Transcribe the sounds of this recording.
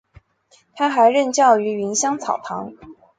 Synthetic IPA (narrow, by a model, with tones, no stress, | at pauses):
t̪ʰa˥xa˧˥ɪɻə˥˧nt͡ɕjɑ˥˩ʊy˧˥ɥi˧˥nɕjɑ˥ŋt͡sʰɑ˨˩ʊp̪ʰɑ˧˥ŋ